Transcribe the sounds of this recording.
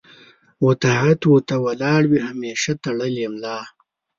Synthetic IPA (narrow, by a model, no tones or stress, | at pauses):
wot̪aɦat̪wut̪awɐlɑːɽwiɦameːʃat̪ɐɽəljemlaː